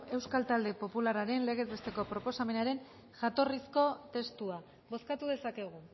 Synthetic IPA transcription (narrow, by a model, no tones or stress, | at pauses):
e̞wskalt̪ald̪e̞po̞pulaɾaɾe̞nleɣ̞e̞zest̪e̞ko̞pɾo̞po̞same̞naɾe̞n | ʝat̪o̞risko̞t̪e̞st̪ua | βo̞skat̪uðe̞sake̞ɣ̞u